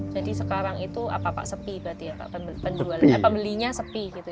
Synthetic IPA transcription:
d͡ʒadisəkaɾaŋit̪ua̰papa̰ʔsəpibɾat̪ijapa̰ʔpəpəɲd͡ʒualaɲapəmbəliɲasəpiɡit̪u

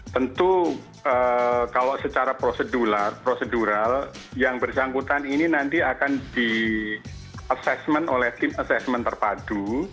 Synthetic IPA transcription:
t̪ənt̪u | əkaloʔsət͡ʃaɾapɾosəduɾarpɾosəduɾal | jaŋbərsaŋkut̪anininant̪iakandi | ʔasɛsmənolɛht̪ɪmasɛsmənt̪ərpadu

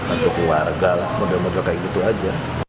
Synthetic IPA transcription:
at̪ukluwarɡalahmodamodɾakaiɡit̪uad͡ʒa

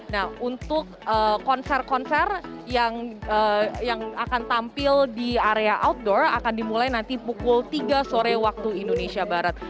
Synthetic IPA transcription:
nahunt̪ʊk̚ | əkɔnsɛrkɔnsɛrjaŋəjaŋakant̪ampɪldiaɾeaʔawt̪̚dɔra̰kandimulajnant̪ipukʊlt̪iɡasoɾɛwak̚t̪uindonesiabaɾat̪̚

